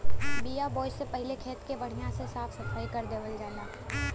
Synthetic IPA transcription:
bijabɔːɪsːepɐɦɪlekʰeːt̪kebɐɽ̤ijãsesaːfʰsɐfaːikɐɾd̪eːʋəld͡ʒaːlaː

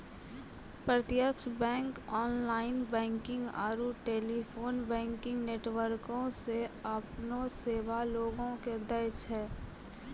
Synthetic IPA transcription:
pɾət̪jəkʃbɛ̃ːŋkɔːnlaːɪnbɛ̃ːŋkɪ̃ŋɡa̰ːɾuʈeːlipʰoːnbɛ̃ːŋkɪ̃ŋɡneːʈwəɾkõseəpnoseːʋaloːɡõked̪əɾʃɦɛː

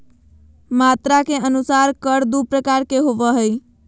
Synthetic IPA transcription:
mat̪ɾakeʔənusaɾkəɾd̪upɾəkaɾkeɦoʋəɦəj

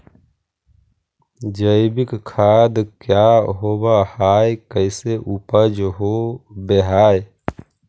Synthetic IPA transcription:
d͡ʒəɪbikkʰad̪kjaɦobahajkəɪseʔupəd͡ʒɦobeɦaːj

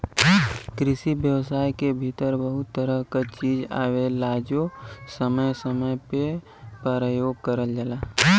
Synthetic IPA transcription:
kɾɪsibjəwsaːjkebʱit̪əɾbəɦʊt̪ːəɾəɦkat͡ʃiːd͡ʒa̰ːʋelaːd͡ʒosəməjsəməjpe | pəɾəjoːɡkəɾəld͡ʒəlaː

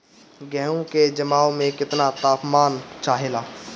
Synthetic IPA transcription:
ɡɛːɦõked͡ʒɐmaːõmẽkɪt̪nat̪aːpmaːnt͡ʃaːɦelaː

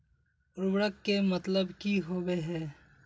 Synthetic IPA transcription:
ʊɾbɽəkːemɐt̪ləbkiɦoːweɦɛː

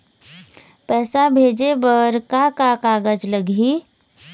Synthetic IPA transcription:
pɛːsabʱeːd͡ʒebəɾkakakaːɡəd͡ʒləɡi

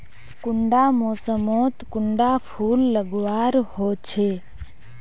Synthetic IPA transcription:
kʊɳɖamoːsəmoːt̪kʊɳɖapʰuːlːəɡʋaːɾhoːt͡ʃʰe

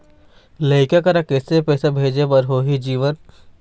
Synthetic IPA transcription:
ləɪkakɐɾakɛːsepɛːsabʱeːd͡ʒebəɾɦoːɦid͡ʒiːʋən

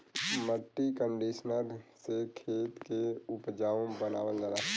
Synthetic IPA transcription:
məʈːikəɳɖiːsnəɾseːtkʰeːt̪keʊpd͡ʒaːʋõbəna̰ːʋəld̪əlaː

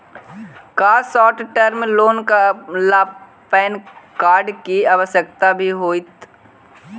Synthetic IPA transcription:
kaːɾsɔːʈʈəɾmloːnkalaː | pɛːnkaːɾɖkiaːʋəʃjək̚t̪abʱiɦoːit̪

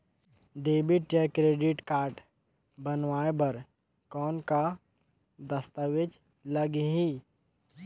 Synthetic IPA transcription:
ɖeːbiʈeːkːɾeːɖɪʈkaːɾʈ | bənʋaːebɐɾ | kɔːnka | d̪əst̪əʋed͡ʒ | ləɡɦi

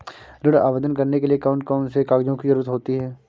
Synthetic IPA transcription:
ɾɪɽa̰ːʋed̪ənkɐɾnekeliekaːʊ̃ɳʈkaːnsekaːɡd͡ʒõkizɐɾuːɾət̪ɦoːt̪iɦɛː

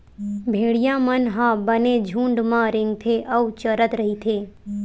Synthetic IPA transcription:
bʱeɽijãmənɦãbəned͡ʒʱũːɳɖmãɾɪŋɡ̚t̪ʰeʔəʋt͡ʃəɾət̪ɾəɦit̪ʰeː

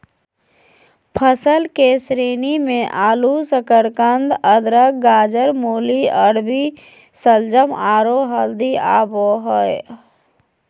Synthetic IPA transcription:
pʰəsəlkesɾeːnimẽʔaːlusəkəɾkənd̪əd̪ɾəkɡaːd͡ʒəɾmoːliəɽbi | səld͡ʒəmaːɾoɦəld̪ia̰ːboɦəe

